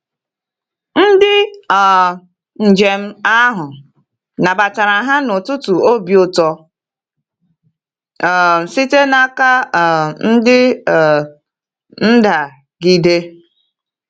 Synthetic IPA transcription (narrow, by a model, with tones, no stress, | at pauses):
n̩˦dɪ˦ɔ˨ | n̩˨d͡ʒe˨m̩˦a˦ɦʊ˨ | na˨ba˨ta˨ɾa˨ɦa˦nʊ˨tʊ˦tʊ˨o˦bjo˦tɔ˨ | sɪ˦te˦na˦ka˦˨n̩˦dɪ˦˨ | n̩˦da˨ | ɡi˦de˦